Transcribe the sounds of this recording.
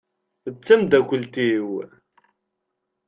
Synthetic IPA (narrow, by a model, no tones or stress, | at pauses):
ət͡sːæmd̪ækʷːəlt̪iw